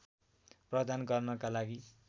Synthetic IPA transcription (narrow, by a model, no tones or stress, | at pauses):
prʌd̪ʱanɡʌrnʌkalaɡi